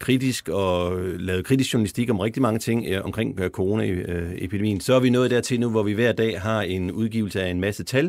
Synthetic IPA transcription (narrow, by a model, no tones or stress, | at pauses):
kʰʁid̥isɡ̥ɒ̽lɛːðˠkʰʁid̥isɕuɐnælisd̥iɡ̥ɒ̽mʁɛɡ̥̚d̥imɑ̈ŋət͡sʰe̝ŋ̰ɒ̽mkʰʁeŋ̰kʰoʁo̝ːnæepʰid̥emḭːnsɒ̽æɐʋinɔ̽ːð̞̩ˠd̥æɐ̰t͡sʰe̝lnuʋɒʋiʋæɐ̰d̥ɛ̰ːɦɑ̈e̝nuð̞ˠɡ̥ḭʊl̩səæenmæsət͡sʰæl